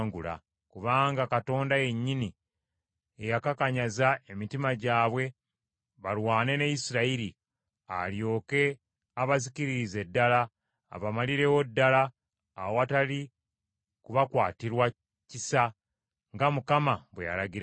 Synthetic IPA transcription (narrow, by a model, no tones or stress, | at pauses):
ŋɡula̰ | kuβaːŋɡakato̞ːndaje̞ɲːini | ejakakaɲazae̞mitimaɟaːβwe̞ | βalwaːne̞nejisiɾaiɾi | a̰ljo̞ːke̞ | aβaziciɾiɾize̞dːala̰ː | βamaliɾe̞wo̞dːalaː | woatali | kuβakwaːtiɾwa | cisa | ŋɡamukamaβweja̰laɡiɾa